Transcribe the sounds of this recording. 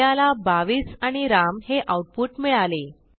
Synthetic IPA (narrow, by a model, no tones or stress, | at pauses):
alabaʋiːsaɽ̃iɾamheʔawʈ̚puːʈmiɭale